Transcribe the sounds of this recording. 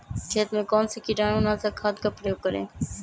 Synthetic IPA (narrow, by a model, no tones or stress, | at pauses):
kʰeːt̪mẽːkoːnsekiʈãːʊnãːsakʰaːt̪kapɾeːoːkəɾḛ̃ː